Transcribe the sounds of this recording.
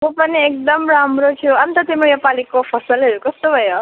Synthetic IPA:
mũpʌniek̚d̪ʌmɾamɾot̪ʰjuʌnt̪ʌt̪imojepalikopʰʌsʌlɦʌɾjukʌst̪obʱʌjo

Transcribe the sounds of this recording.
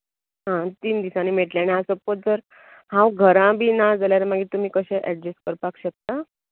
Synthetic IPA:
ɦãt̪iːnd̪isãniːmeʈljanjasəpot̪̚d͡zəɾ | hãwɡʱəɾãbʱiːnad͡zaljaɾamaɡiːt̪um̤iːkəɕẽʔɛʈd͡ʑeskəɾpakɕək̚t̪a

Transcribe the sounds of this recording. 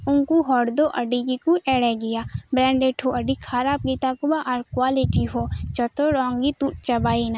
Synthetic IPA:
ʊŋkuɦɔːɽd̪oʔɐɖikikuʔɛːɽɛɡɪjaːbɾɛ̃ːɳɖeːʈʰɦoʔɐɖikʰaɾaːp̚ɡiːt̪akubaʔaɾkwaːlɪʈiɦot͡ʃɔt̪oɾɔ̃ːŋɡit̪uʈt͡ʃɐbaːina

